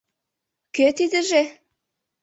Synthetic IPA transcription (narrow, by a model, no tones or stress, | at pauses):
køt̪id̪ɘ̆ʒe